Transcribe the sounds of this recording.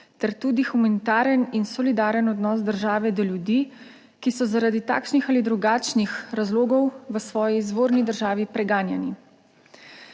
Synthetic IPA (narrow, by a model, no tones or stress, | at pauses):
t̪ɛɾt̪uːd̪ixumanit̪aːɾəninsɔlid̪aːɾənɔd̪nɔːsd̪əɾʒaːʋɛd̪ɔljud̪iː | kisɔzaɾad̪it̪a̰ːkʃnixalid̪ɾuɡaːt͡ʃnixɾazloːɡɔwʋəsʋɔːjizʋoːɾnid̪əɾʒaːʋipɾɛɡaːnjani